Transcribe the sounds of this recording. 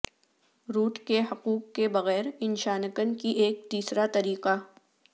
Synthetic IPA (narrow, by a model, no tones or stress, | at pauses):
ɾuːʈkeɦɐquːqːebɐɣɛːɾɪnʃaːnəkənkiʔeːk̚t̪iːsɾat̪ɐɾiːqa